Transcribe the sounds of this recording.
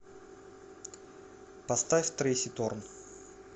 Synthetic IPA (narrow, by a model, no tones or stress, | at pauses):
pɐst̪afʲt̪ɾʲesʲɪt̪orn